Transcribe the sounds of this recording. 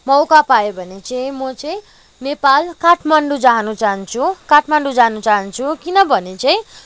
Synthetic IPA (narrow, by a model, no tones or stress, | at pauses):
mʌwkapajobʱʌnet͡sajĩmʌt͡sʌj̃ | nepalkaʈʰmaɳɖud͡zaɦanut͡saɦʌnt͡sʰukaʈʰmaɳɖud͡zaɦnut͡saɦʌnt͡sʰukinʌbʱʌnet͡saĩ